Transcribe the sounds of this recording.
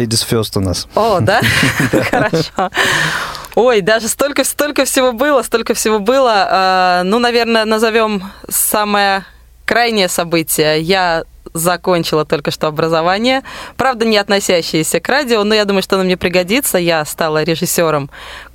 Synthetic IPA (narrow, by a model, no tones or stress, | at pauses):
edʲɪsfʲost̪ʊnasod̪axəɾɐʂʂo | o̞jd̪aʐɨst̪o̞lʲkəfst̪o̞lʲkəfsʲɪvo̞bɨlˠəst̪o̞lʲkəfsʲɪvo̞bɨlˠəanunɐvʲe̞rnənəzɐvʲo̞msaməjə | kɾajnʲɪjəsɐbɨtʲɪjəjazɐko̞nʲt͡ɕɪlˠət̪o̞lʲkəʂt̪o̞ɐbɾəzɐvanʲɪjəpɾavd̪ənʲɪɐt̪nɐsʲæɕːɪjɪsʲəkɾadʲɪonojad̪uməjʊʂt̪onmnʲepɾʲɪɡɐdʲit̪səjast̪alˠəɾʲɪʐɨsʲːo̞ɾəm